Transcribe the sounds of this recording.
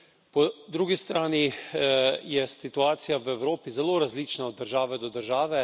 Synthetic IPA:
pɔd̪ɾuːɡist̪ɾaːni | jɛsit̪uaːt̪sijaʋɛwɾoːpizɛloːɾazliːt͡ʃnaɔd̪ːəɾʒaːʋɛd̪ɔd̪əɾʒaːʋɛ

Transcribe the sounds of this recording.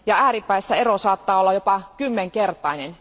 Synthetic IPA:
jɑæːɾipːæesːæe̞rosɑːt̪ːɑːolːɑjo̞pɑkymːeŋke̞rt̪ˑɑinen

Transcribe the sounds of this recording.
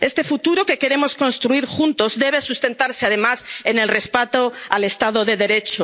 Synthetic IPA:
e̞st̪e̞fut̪uɾoke̞ke̞ɾe̞mo̞sko̞nst̪ɾuiɾxunt̪o̞zðe̞β̞e̞sust̪e̞nt̪aɾseaðe̞masene̞lre̞spat̪oale̞st̪að̞o̞ðe̞ðe̞ɾe̞t͡ʃo

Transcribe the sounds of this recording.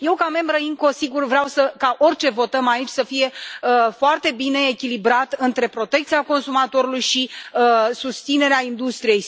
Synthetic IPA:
je̞wkame̞mbɾəiŋko̞siɡurvɾeawsəkaʔo̞rʲt͡ʃe̞vo̞t̪əmait͡ʃʲsəfije̞əfoart̪e̞bine̞ːkʲilibɾat̪ɨnt̪ɾe̞pɾo̞t̪e̞k̚t̪siako̞nsumat̪o̞ɾulujʃiəsust̪sine̞ɾeaind̪ust̪ɾije̞j

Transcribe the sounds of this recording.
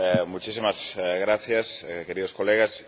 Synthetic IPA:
ɛmujt͡ʃisimazɣɾaθjaskeɾiðoskoleɣas

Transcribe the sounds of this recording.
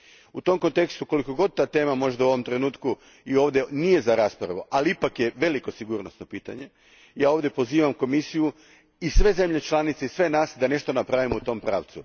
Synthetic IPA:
ut̪o̞mko̞nt̪e̞kst̪uko̞liko̞ɡo̞d̪̚t̪aːt̪e̞ːmamo̞ʒd̪auo̞ʋo̞mt̪ɾe̞nuːt̪ku | io̞ːʋd̪je̞nije̞zaɾaːspɾaʋuʔaliipakje̞ʋe̞liko̞siɡuɾno̞sno̞piːt̪a̰ɲe̞ | jaːo̞ʋd̪je̞po̞ziːʋamko̞misiju | isʋe̞ze̞mʎe̞t͡ʃlˠanit̪se̞isʋe̞naːsd̪ane̞ʃt̪o̞napɾaʋimout̪o̞mpɾa̰ːʋt̪su

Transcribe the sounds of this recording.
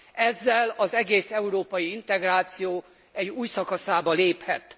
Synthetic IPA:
ɛzːɛlɒzɛɡeːsɛuɾoːpɒjiint̪ɛɡraːt̪sijoː | ɛɟuːjsɒkɒsaːbɒleːphɛ̰t̪

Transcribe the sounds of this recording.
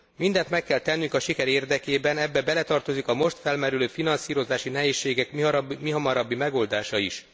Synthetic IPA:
mind̪ɛnt̪mɛkːɛlt̪ɛnːyŋkɒʃikɛɾeːrd̪ɛkeːbɛnɛbːɛbɛlɛt̪ɒrt̪o̞zikɒmo̞ʃt̪fɛlmɛɾyløːfinɒnsiːɾo̞zaːʃinɛɦeːʃːeːɡɛkmiɦɒmɒɾɒbːimɛɡo̞ld̪aːʃɒiʃ

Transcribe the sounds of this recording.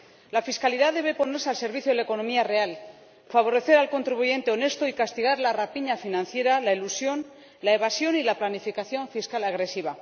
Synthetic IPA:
lafiskaliðaðe̞βe̞po̞ne̞ɾsealse̞ɾβiθjoðelaeko̞nõ̞miare̞al | faβ̞o̞ɾe̞θe̞ɾalko̞nt̪ɾiβuʝe̞nt̪e̞o̞ne̞st̪oikast̪iɣ̞aɾlarapiɲafinãn̟θje̞ɾalailusjo̞n | laeβasjo̞nilaplanifikaθjo̞ɱfiskalaɣɾe̞siβa

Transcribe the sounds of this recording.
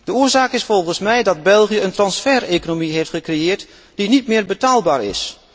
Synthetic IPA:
d̥əʊːɹzaːkɪsfɔlˠχənsmɛjdɑdbɛlˠχijəəntrɑnsfɛrekonomiɦeftχəkrejɪːɹt | d̥initmɪːɹbətaːlˠbaːɹɪ̰s

